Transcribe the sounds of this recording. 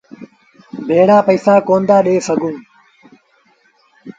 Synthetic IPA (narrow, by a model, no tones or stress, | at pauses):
bʱeːɽaːpəiːsaːkoːnd̪aːɗeːsəɡũː